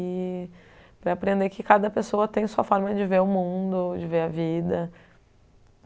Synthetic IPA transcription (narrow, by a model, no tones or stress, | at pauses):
ɪ | pɾɐapɾẽnd̪ekɪkad̪ɐpesoɐt̪ẽj̃suɐfɔɾmɐd͡ʒɪveɾʊmũd̪ʊd͡ʒɪveɾɐvid̪ɐ